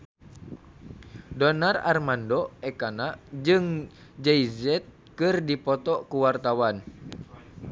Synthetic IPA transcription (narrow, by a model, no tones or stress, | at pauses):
dɔnara̰rmandɔɛkanad͡ʒɨŋd͡ʒɛizɛt̪̚ | kɨrdipɔt̪ɔkuwart̪awan